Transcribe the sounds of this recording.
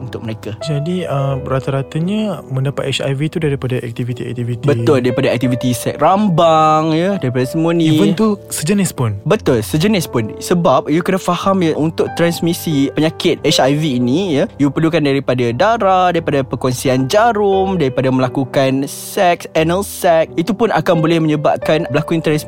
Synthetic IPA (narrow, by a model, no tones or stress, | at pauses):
unt̪ʊk̚məɾekad͡ʒadiəmɾat̪aɾat̪aɲamə̃ndapat̪ɛt͡ʃa̰vit̪udaɾipadaʔɛ̰k̚t̪ivit̪iɛ̰k̚t̪ivit̪ibət̪ʊldaɾipadaɛk̚t̪ivit̪isɛk̚rambaŋjədaɾipadasəmuaniĩvənt̪usəd͡ʒənɪspʊnbət̪ʊlsəd͡ʒənɪspʊnsəbap̚jukənafahamjəʔunt̪ʊʔ̚t̪ɾansmisipəɲakɪt̪̚ɛt͡ʃajviːnijəjupərlukandaɾipadadaɾadaɾipadapəkɔnsiand͡ʒaɾʊmdaɾipadamə̃lakukansɛk̚sɛnəlsɛk̚it̪upʊnʔa̰kanbolɛhmə̃ɲəba̰p̚kanbəlakuint̪ɾans